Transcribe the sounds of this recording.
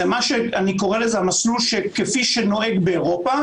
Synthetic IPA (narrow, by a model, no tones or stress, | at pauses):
emaʃeaniko̞ʁelezeamaslulʃekefiʃeno̞ʔe̞ɡbeːʁo̞pa